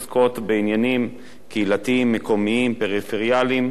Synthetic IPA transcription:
sko̞tbeinjanim | keilatiimːeko̞miimpeʁifeʁjalim

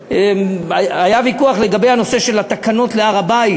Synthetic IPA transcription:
eaajavikuaχle̞ɡabe̞jhano̞se̞ʃelat̪akano̞tleaʁabai

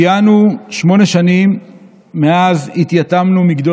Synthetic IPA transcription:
januʃmo̞ne̞ʃanimː | eazhit̪jat̪amnumiɡd̪o

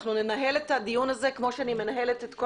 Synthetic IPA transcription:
χnune̞naɦe̞letadijunaze̞kmo̞ʃeanime̞naɦe̞letetko

